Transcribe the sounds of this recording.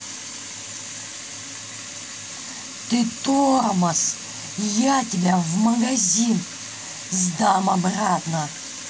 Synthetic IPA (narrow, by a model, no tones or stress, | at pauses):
t̪ɨt̪omɐs | jatʲɪbʲavmɐɡɐzʲin | zd̪amɐbɾat̪nɐ